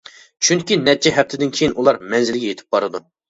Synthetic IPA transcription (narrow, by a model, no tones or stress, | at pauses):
t͡ʃʰyŋkʲinɛt͡ʃʰːɛɦɛp̚t̪ʰɪd̪ɪnkʲʰejinʔulˠɑɾmɛnzɪlɡʲɛjet̪ʰɪ̥p̚bɑɾɨd̪u